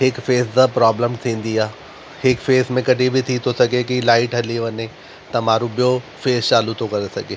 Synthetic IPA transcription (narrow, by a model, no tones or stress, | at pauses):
ɦɪkfeːsd̪əpɾaːbləmt̪ʰĩːn̆d̪iaː | hɪkfeːsmẽkɐɗʱibɪt̪ʰit̪ʰosɐɡʱekilaːɪʈɦɐliʋɐɲe | t̪ɐmaːɾuɓijofeːst͡ɕaːlut̪ʰokɐɾesɐɡʱeː